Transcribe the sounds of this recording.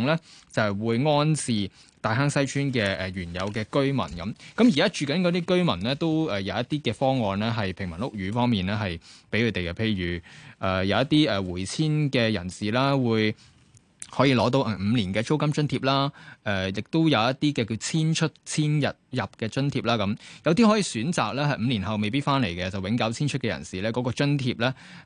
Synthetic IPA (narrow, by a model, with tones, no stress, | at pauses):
ŋlɛː˥t͡sɐ˨hwuː˨˧jŋɔː˥nt͡sʰiː˨˧ | t̪aː˨˧jɦaː˥ŋsɐ˥jt͡ʃʰyː˥nkɛː˧ʔɛ˨ɥyː˨˩njɐ˨˧wkɛː˧kɵ˥ɥmɐ̰˨˩nkɐ˨˥mkɐ˨˥mji˨˩kaː˥t͡ʃyː˨˩kɐ˨˥nkɔ˨˧t̪iː˥kɵ˥ɥmɐ˨˩nlɛː˥t̪o˥wɛ˨jɐ˨˧wjɐ˥t̪iː˥kɛː˧fɔː˥ŋɔː˨nlɛː˥ɦɐ˨jpʰɪ˨˩ŋmɐ˨˩nʊ˥k̚jyː˨˥fɔː˥ŋmiː˨nɛː˥ɦɐ˨jpe˨˥jkʰɵ˨˧t̪e˨jɐ˧pʰe˧jɥyː˨˩ʔɛː˨˩jɐ˨˧wjɐ˥t̪iː˥ɛː˨˩wuː˨˩jt͡sʰiː˥nkɛː˧jɐ˨˩nsiː˨˩laː˥wuː˨˧j | hɔː˨˥jiː˧lɔː˨˥t̪o˧wʔɛ˨˩m̩˨˧liː˨˩nkɛː˧t͡ʃo˥wkɐ˥mt͡ʃɵ˥nt̪ʰiː˧p̚laː˥ʔɛː˨jɪ˨k̚t̪o˥wjɐ˨˧wjɐ˥t̚t̪iː˥kɛː˧kiː˧t͡sʰiː˥nt͡ʃʰɵ˥t̚t͡sʰiː˥njɐ˨t̚jɐ˨p̚kɛː˧t͡ʃɵ˥nt̪ʰiː˧p̚laː˥kɐ˨˥mjɐ˨˧wt̪̬iː˥hɔː˨˥jiː˨˧syː˨˥nt͡saː˨k̚lɛː˥hɐ˨jm̩˨˧li˨˩nɦɐ˨wme˨jpiː˥t̚faː˥nle˨˩jkɛ˧t͡sɐ˨wɪ˨˥ŋkɐ˨˥wt͡sʰiː˥nt͡ʃʰɵ˥t̚kɛː˧jɐ̰˨˩nsiː˨˩lɛː˥kɔː˨˥kɔː˧t͡ʃɵ˥nt̪ʰiː˧p̚lɛː˥